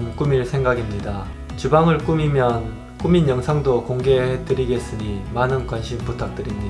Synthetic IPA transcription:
mk͈umiɭsʰe̞ŋɡaɡimɲida | t͡ɕubaŋɯɭk͈umimjʌn | k͈uminjʌŋsʰaŋdokoŋɡe̞het͈ɯɾiɡe̞s͈ɯɲimanɯnkwanɕʰimputʰak̚t͈ɯɾimɲi

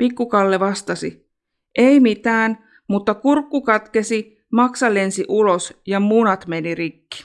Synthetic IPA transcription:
pikːukɑlːeʋɑst̪ɑsḭ | ʔejmit̪æːn | mut̪ːɑkurkːukɑt̪ke̞si | mɑksɑlːe̞nsiʔulo̞sjɑmunɑt̪me̞nirikːi̥

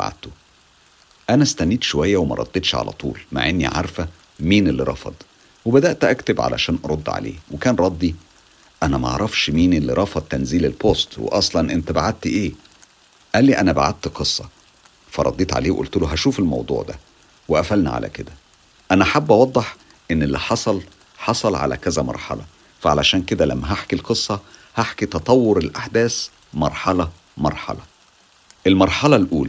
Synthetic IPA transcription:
ba̰ʕa̰d̪̚t̪o | ʔænæst̪ænːiːd̪ʃowæjːæwemæ̰ɾˤɑ̰d̪̥ˤːed̪ʃʕa̰læ̰t̪ˤṵːlma̰ʕʔenːḭʕa̰ɾˤfæ | miːnelːiɾˤɑ̰fɑ̰d̪ˤ | webæd̪æʔt̪ʔækt̪ebʕa̰læ̰ʃæːnʔɑɾˤod̪ˤːʕa̰lḛːwekæːnɾˤɑd̪ˤːi | ʔænæmæɑ̰ʕɾˤɑfʃmiːnʔelːḭɾˤɑfɑd̪̚ˤt̪ːænziːlelpost̪wḛʔɑsˤlɑnʔent̪æbaʕad̪̚t̪ʔeː | ʔæːlːiʔænæba̰ʕad̪̚t̪qesˤːɑ | fæ̰ɾˤɑ̰d̪ˤiːt̪ʕa̰leːwʔṵlt̪oloɦæʃuːfelmɑ̰wd̪ˤṵːʕd̪æ̰ | weʔæfælnæ̰ʕa̰lʔæ̰ked̪æ | ʔænæħabːʔɑwɑd̪ˤːeħ | ʔenːelːiħɑsˤɑl | ħɑsˤɑlʕa̰læ̰kæzæmɑ̰ɾˤħɑ̰lɑ | fæʕalæʃæːnked̪ælæ̰mːæɦaħkilqɨsˤːɑ | haħkit̪ɑt̪ˤɑwːoɾelʔaħd̪æːs | mɑɾˤħɑlɑ | mɑ̰ɾˤħɑ̰lɑ | ʔelmɑɾˤħɑlɑlʔuːl

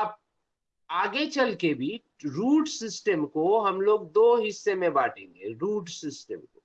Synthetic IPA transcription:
ɐp̚ | aːɡet͡ʃɐlkebʱiː | ɾuːɖsɪsʈəmkoɦɐmloːɡ̚d̪oːɦɪsːemẽbaːʈḛ̃ːŋɡḛɾuːɖsɪsʈəmko

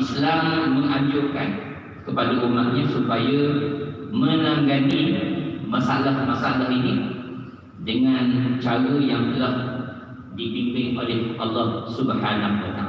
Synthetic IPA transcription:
islamːə̃ŋãɲd͡ʒoka̰n | kəpadəʔumat̪̚ɲãsupajə | mə̃nãŋɡanimãsalahmasaalaɦini | dəŋãnt͡ʃaɾəjaŋt̪əlah | dipimpɪŋʔolɛhʔɑ̰lːɑhsubħanaɦwat̪a

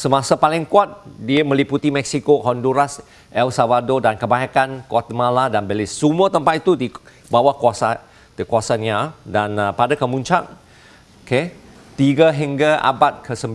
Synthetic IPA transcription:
səmasapalɪŋkuat̪̚diəmə̃liput̪imɛksikohɔnduɾas | ʔɛlsavadodankəbaɦakankuat̪əmaladanbəlɪsːumuət̪əmpat̪̚it̪udi | bawakuasa | dəkuasanadanpadakəmuɲt͡ʃak̚ | ke | t̪iɡaɦiŋɡaa̰bat̪̚kʰəsəmb

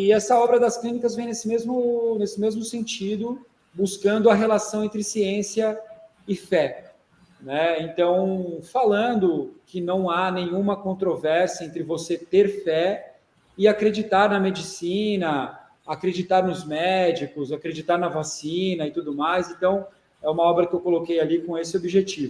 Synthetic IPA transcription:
ɪɛsɐɔbɾɐd̪ɐsklĩnikɐzvẽj̃nesɪmezmʊnesɪmezmʊsẽt͡ʃid̪ʊ | buskɐ̃nd̪ʊɐɦelasɐ̃w̃ẽnt̪ɾɪsiẽsiɐ | ɪfɛ | nɛẽnt̪ɐ̃w̃falɐ̃nd̪ʊkɪnɐ̃w̃anẽjɲũmɐkõnt̪ɾovɛɾsiɐẽnt̪ɾɪvoset̪eɾfɛ | ɪakɾed͡ʒit̪aɾnɐmed͡ʒisinɐ | akɾed͡ʒit̪aɾnʊzmɛd͡ʒikʊzakɾed͡ʒit̪aɾnɐvasĩnɐɪt̪ud̪ʊmajsẽnt̪ɐ̃w̃ | ɛũmɐɔbɾɐkɪewkolokejalikõesɪobiʒet͡ʃivʊ

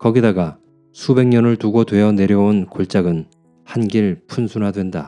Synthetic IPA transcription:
kʌɡidaɡa | sʰube̞ŋɲʌnɯɭtuɡodwe̞jʌne̞ɾjʌonkoɭt͡ɕ͈aɡɯn | hanɡiɭpʰunsʰunɦadwe̞nda

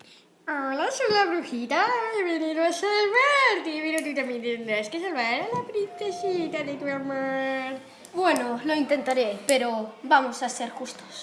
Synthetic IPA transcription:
alasolaβɾuxit̪aeβeniðoasalβaɾt̪epeɾot̪̬ut̪ambjent̪end̪ɾaskes̬alβaɾalapɾinθesit̪aðet̪uamaɾ | bwenoloint̪e̞nt̪aɾepeɾobamosaseɾkust̪os

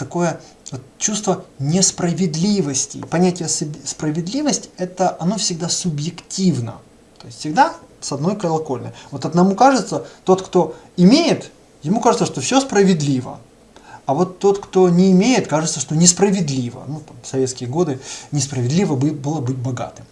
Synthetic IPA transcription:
t̪ɐko̞jəvot̪t͡ɕust̪vənʲɪspɾəvʲɪd̪lʲivəsʲtʲɪ̰pɐnʲætʲɪjəsʲspɾəvʲɪd̪lʲivəsʲtʲɛt̪əʔɐno̞fsʲɪɡ̚d̪asʊbjɪktʲivnə̰ | t̪o̞ɪsʲt̪ʲfsʲɪɡ̚d̪asɐd̪no̞jkəlˠɐko̞lʲnə̰jvo̞t̪ɐd̪nɐmukaʐɨt̪sət̪o̞t̪kt̪o̞ | ɪmʲejɪt̪ | jɪmukaʐɨt̪səʂt̪o̞fsʲospɾəvʲɪd̪lʲivə̰ | ɐvo̞t̪ːo̞t̪kt̪o̞nʲɪːmʲejɪt̪kaʐɨt̪səʂt̪o̞nʲɪspɾəvʲɪd̪lʲivə̰nut̪amsɐvʲet̪skʲɪjəɡo̞d̪ɨnʲɪspɾəvʲɪd̪lʲivəbɨbɨlˠəbɨt̚ʲbɐɡa̰t̪ɨm

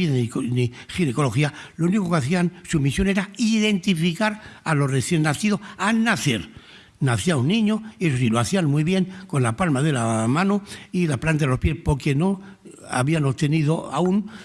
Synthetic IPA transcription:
ininixinekolo̞xialouniko̞keaθiansumisjo̞ne̞ɾaiðe̞nt̪ifikaɾalo̞reθje̞nːaθiðo̞anaθeɾ | naθiaunːĩɲo̞es̬osiloaθianmujβje̞ŋko̞nlapalmaðe̞lamãnoilaplant̪̬aðelo̞spje̞spo̞ɾke̞no̞ | a̰βiano̞βt̪e̞nið̞oa̰un

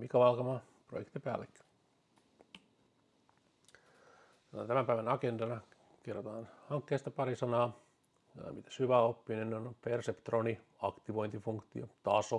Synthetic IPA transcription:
mikæʋɑlkɑmɑ | pro̰jḛkt̪ipæ̰ːlːekː | oɑ̰t̪æmæmpæiʋænɑkendɑnɑ | kerːot̪ɑːnhɑŋkːeːst̪ɑpɑɾisɑnɑ̰ː | mit̪æ̥shyʋæopːinenneonpersept̪roni | ɑkt̪iʋo̞jnt̪ifuŋkt̪iot̪ɑso

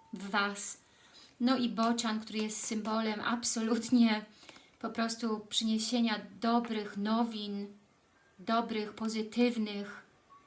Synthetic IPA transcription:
vːas | nɔʔibɔt͡ɕankt̪uɾɘjɛst̪sɘmbɔlɛmʔa̰psɔlut̪ɲɛ | pɔpɾɔst̪upʂɘɲeɕeɲad̪ɔbɾɘxnɔvʲin | d̪ɔbɾɘxpɔzɘt̪ɘvnɘx

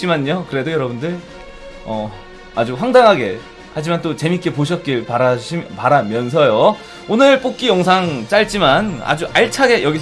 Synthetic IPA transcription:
imaɲokɯɾe̞dojʌɾʌbundɯɭ | ʌ | ad͡ʑuɸwaŋdaŋɦaɡe̞ | had͡ʑimant͈ot͡ɕe̞mik͈e̞poɕʰʌt̚k͈iɭpaɾaɕʰpaɾamjʌns̬ʰʌjo | onɯɭp͈ok̚k͈ijʌŋsʰaŋt͡ɕ͈aɭt͡ɕ͈imana̰d͡ʑuʔaɭt͡ɕʰaɡe̞jʌɡi

